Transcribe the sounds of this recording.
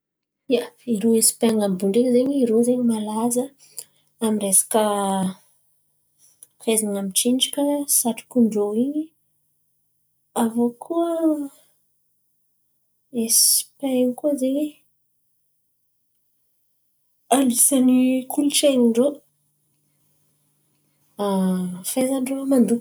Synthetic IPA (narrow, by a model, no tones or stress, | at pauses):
jaiɾoesi̥peaŋambuɳɖ͡ʐeŋzeɲiɾozeɲimalazə | amiresḁkə | fezaŋamit͡ʃiɳɖ͡ʐikʲəsaʈ͡ʂi̥kuɳɖ͡ʐoiɲi | avokʰuə | espaeɲkuzeɲe | alisanikuluʈ͡ʂeniɳɖ͡ʐo | afezaɳɖ͡ʐomand̪u